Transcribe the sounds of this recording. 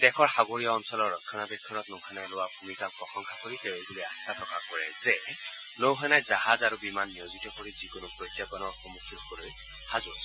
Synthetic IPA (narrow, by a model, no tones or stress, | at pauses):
d̥ɛkʰɔɹxaɡoɹiaɔnsɔlɔɹːɔkʰːɔnabɛkʰːɔnɔtnowhanajlʊwabʱumikapɹɔxɔŋkʰakoɹitɛebulojast̪ʰatʰɔkakɔɹɛzɛ | nowɦanajzaɦazaɹubimanːijozitɔkoɹizikʊnʊpɹotjapɔnɔɹxɔmukʰːilɔbɔloj | hazuasɛ